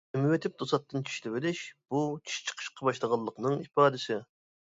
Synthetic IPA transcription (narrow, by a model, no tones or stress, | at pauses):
mwɪt̪ʰɪp̚d̪osɑt̪ːɨnt͡ʃʰy̥ʃlɪbɪlɪʃb̥ut͡ʃʰi̥ʃt͡ʃʰə̥qʰə̥ʃqʰɑbɑʃlˠəʁɑlˠːəqnɨŋipɑːd̪ɪsɪ